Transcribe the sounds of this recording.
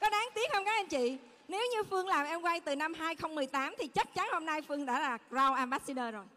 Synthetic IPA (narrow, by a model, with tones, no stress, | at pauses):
kɔ˨˦ɗaː˨˦ŋt̪i˦˥ək̚hə˧wŋ͡mkaː˨˦˥kʔa˧nt͡ɕḭ˧˨ | ne˨˦wɲɨ˧fɨ˧əŋlaː˨˩mʔɛ˧mkwa˧jt̪ɨ˨˩na˧mɦaː˧jxə˧wŋ͡mmɨ˨˩əjt̪aː˨˦mt̪ʰi˨˩t͡ɕa˦˥k̚t͡ɕa˨˦nho˧mna˧jfɨ˧əŋɗa̰ː˧˥laː˨˩za˧wʔaː˧mɓaː˦˥si˧ɗəː˧zo˨˩j